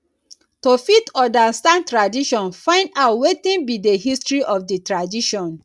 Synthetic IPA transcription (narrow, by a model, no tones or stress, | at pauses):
tofitɔdanstãntɹadiʃɔ̃nfãɪ̃ndaʊtwetĩnbideɦistɹiʔɔfdetɹadiʃɔ̃n